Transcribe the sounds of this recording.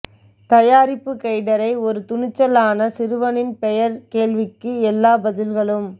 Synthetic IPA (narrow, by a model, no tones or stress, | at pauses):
t̪ɐjaːɾɪpːɯkɐɪɽɐɾɐɪɔɾɯt̪ʊnɪt͡ʃːɐlaːnɐsɪɾɯʋɐnɪnpɛjɐɾkeːlʋɪkːɯɛlːaːbɐðɪlɣɐɭɯm